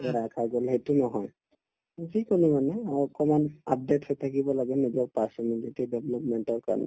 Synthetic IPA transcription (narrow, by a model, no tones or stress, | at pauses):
ɛɾakʰaɡolɦetunɔɦɔj | zikonimanɛaɔkɔmanap̚dethɔjtʰakibɔlaɡɛnid͡ʒɔkpasɔmiŋzetɛdɛblɔpmɛntɔɹka̰ɹnɛ